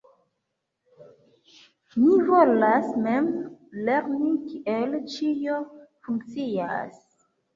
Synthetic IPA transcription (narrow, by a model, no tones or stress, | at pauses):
mivolasmemleɾnikiʔelt͡ʃijofuŋk̚t͡sia̰s